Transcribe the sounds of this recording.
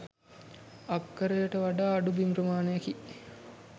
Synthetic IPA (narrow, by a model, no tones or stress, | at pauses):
ɐkːəɾejəʈəʋaɖaːɐɖubimɾəmaːnejɐki